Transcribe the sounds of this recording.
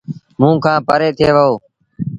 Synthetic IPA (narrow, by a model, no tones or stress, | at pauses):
mũːkʰãːpəɾeːt̪ʰeːʋəɦoː